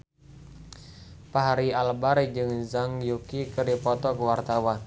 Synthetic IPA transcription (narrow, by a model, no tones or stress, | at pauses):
paɦaɾialbaɾid͡ʒɨŋzaŋjukikərdipɔt̪ɔkəwart̪awan